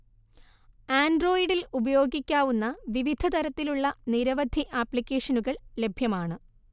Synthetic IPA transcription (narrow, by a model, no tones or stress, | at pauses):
aːnɖro̞ːjiɽilubɐjo̞ːɡikʲːaːʋunːɐʋiʋid̪ʱɐt̪ɐɾɐt̪ːiluɭːɐniɾɐʋɐd̪ʱiʔaːpːɭikʲːeːʂɐnuɣɐɭle̞bʱjɐmaːɳɨ